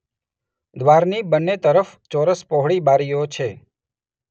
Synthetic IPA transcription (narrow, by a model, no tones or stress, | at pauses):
d̪ʋaɾnibənːet̪əɾəft͡ʃɔɾəspɔɦɭibaɾijot͡ʃʰe